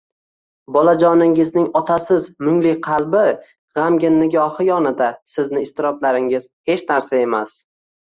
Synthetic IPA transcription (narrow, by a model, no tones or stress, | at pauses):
bɒlad͡ʒɒnɪŋɪznɪŋɒt̪ʰasɪzmʊŋlɪqʰɑlˠbɪ | ʁamɡʲɪnːɪɡʲɒhɪjɒnɪd̪asɪznɪɪst̪ɪɾɒblaɾɪŋɪz̥he̞t͡ʃnaɾsae̞mas